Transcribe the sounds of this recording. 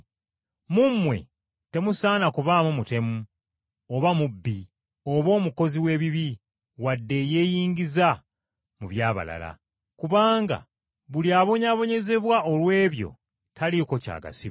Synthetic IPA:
mumwe̞̰ | te̞musaːnakuβaːmumute̞mu | oβamubːi | o̞βo̞ːmuko̞ziwe̞ːβiβi | wadːe̞je̞ːjiːŋɡiza | muβjaːβa̰la̰la̰ | kuβaːŋɡa̰ | βuliaːβo̞ɲaβo̞ɲe̞ze̞βwaʔo̞lwe̞ːβjo̞̰ | tʰaliko̞ca̰ːɡa̰si

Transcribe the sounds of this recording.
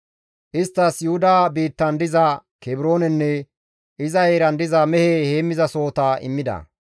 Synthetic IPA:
ʔɪst̪ːɐsjʊhʊd̪aːbiːt̪ːɐnd̪ɪzɐkɛbɪɾo̞ːnɛnːɛ | ʔɪzɐeːɾɐnd̪ɪzɐmɛheheːmːɪzɐso̞ːt̪ɐɪ̰mːɪd̪ɐ̰

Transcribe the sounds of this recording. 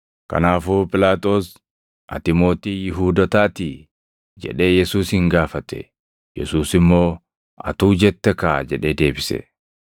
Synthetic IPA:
kɐ̰naːfoːpʼɪlaːt̪ʼo̞ːs | ʔɐ̰t̪ɪmo̞ːt̪iːjɪɦuːd̪ɐt̪aːt̪i | d͡ʒɛ̰ᶑe̞ːjɛsuːshɪŋɡaːfɐt̪ɛ̰ | jɛ̰suːsɪmːo̞ː | ɐ̰t̪uːd͡ʒɛt̪ːɛkaːd͡ʒɛᶑe̞ːd̪e̞ːbɪsɛ̰

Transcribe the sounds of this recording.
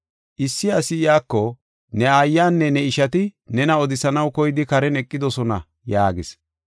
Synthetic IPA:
ʔɪsːɪɐsɪjaːkːɔ | nɛajːaːnːɛnɛɪʃɐt̪ɪnɛnɐɔd̪ɪsɐnɐwkɔjɪd̪ɪkɐɾɛnɛkʼːɪd̪ɔsɔnɐ̰ | jaːɡɪs

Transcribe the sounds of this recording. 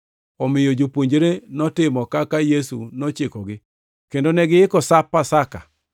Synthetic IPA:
ɔmɪjod͡ʒopoɲd͡ʒeɾenɔtɪmɔkakajesunot͡ʃɪkɔɡɪ | kendonɛɡɪɪkɔsapːasaka

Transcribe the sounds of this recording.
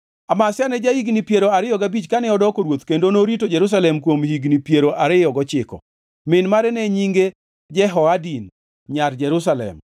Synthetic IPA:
amasɪanɛd͡ʒahiɡnipjeɾoaɾɪjɔɡabit͡ʃkanɛɔdɔkoɾwot̪kendonoɾitod͡ʒɛɾus̬alɛmkwomhiɡnipjeɾoʔaɾɪjɔɡɔt͡ʃɪkɔ̰ | mɪnmaɾɛnɛɲiŋɡe | d͡ʒɛɦɔadin | ɲard͡ʒɛɾus̬alɛ̰m

